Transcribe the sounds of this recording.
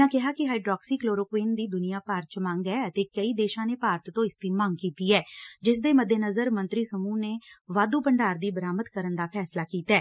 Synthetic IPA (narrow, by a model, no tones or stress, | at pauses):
ãːkɪɦaːkɪɦaːiɖɾɔːksiːkloːɾoːkʋeːnd̪iːd̪ʊnijaːpaːɾ̚t͡ʃmãːŋɡɛːət̪eːkəiːd̪eːʃãːneːpaːɾət̪t̪õːɪst̪iːmãːŋɡkiːt̪iːɛːd͡ʒɪsd̪eːməd̪ʱjənəzəɾmə̃nt̪ɾiːsəmuːneːʋaːd̪uːpəɳɖaːɾd̪iːbəɾaːməd̪kəɾənd̪aːpʰɛːslaːkiːt̪ɛː